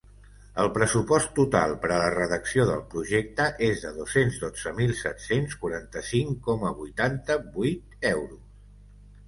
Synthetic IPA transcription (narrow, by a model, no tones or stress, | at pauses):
əlˠpɾəsupɔst̪ːut̪a̰lˠpəɾələrəðəksioðəlˠpɾuʒek̚t̪əʔezðəðosenzðod͡z̥əmilˠsɛt̪senskuɾant̪əsiŋkɔməβujt̪ant̪əbujt̪̚ɛwɾus